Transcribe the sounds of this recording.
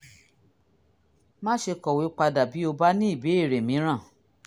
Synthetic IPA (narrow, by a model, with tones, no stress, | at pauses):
mã˦ʃe˧kɔ˨we˨˦k͡pa˧da˨bi˨˦o˧ba˦nĩ˦i˦˨be˨˦e˦˨ɾe˨mĩ˨˦ɾ̃ã˦˨